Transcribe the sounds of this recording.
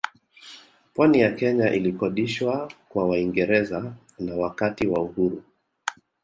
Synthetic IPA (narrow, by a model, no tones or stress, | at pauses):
pwanijakɛɲaʔilikɔɗiʃwakwawaiŋɡɛɾɛza | nawakatiwauhuɾu